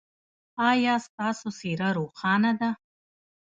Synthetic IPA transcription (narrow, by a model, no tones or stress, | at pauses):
ajaːst̪aːsosiɾaɾuːχɑːnad̪a